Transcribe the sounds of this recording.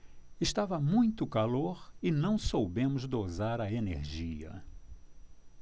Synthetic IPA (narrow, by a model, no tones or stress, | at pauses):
ɪʃt̪avɐmũj̃t̪ʊkaloɾɪnɐ̃w̃sowbẽmʊzd̪ozaɾɐenḛɾʒiɐ̰